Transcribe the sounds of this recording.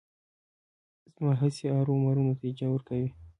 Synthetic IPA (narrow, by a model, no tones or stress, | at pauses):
zmɑɦəseɑɾomaɾunot̪ad͡ʒawəɾkawi